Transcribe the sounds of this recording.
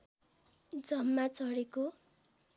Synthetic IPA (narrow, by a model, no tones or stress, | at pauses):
d͡zʌmːat͡sʌɽeko